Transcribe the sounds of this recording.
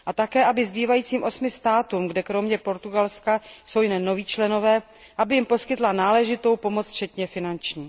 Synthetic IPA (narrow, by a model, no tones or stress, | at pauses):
ʔat̪akɛːʔabɪzbiːvajiːt͡siːmʔo̞smɪst̪aːt̪uːmɡdɛkɾo̞mɲɛpo̞ɾt̪uɡalskaso̞wjnɛnːo̞viːt͡ʃlɛno̞vɛː | ʔabɪjɪmpo̞skɪt̪lanaːlɛʒɪt̪o̞wpo̞mot͡sft͡ʃɛt̪ɲɛfɪnant͡ʃɲiː